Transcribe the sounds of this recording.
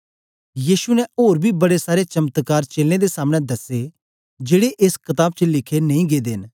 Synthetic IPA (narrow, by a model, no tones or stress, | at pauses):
jiːʃunɛ̃ʔoːɾbʱibɐɽesaːɾet͡ʃɐmət̪kaːɾt͡ʃeːlẽd̪esaːmɽ̃ɛ̃d̪ɐse | d͡ʒeːɽeʔeːskɐt̪aːb̚t͡ʃəlɪkʰenɐ̃ĩɡeːd̪eːn